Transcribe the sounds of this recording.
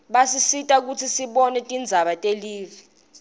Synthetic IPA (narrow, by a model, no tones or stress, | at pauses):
ɓasisitʼak̬ut͡sʰisiɓɔnɛtʼind͡zʱaɓatʼeliːvi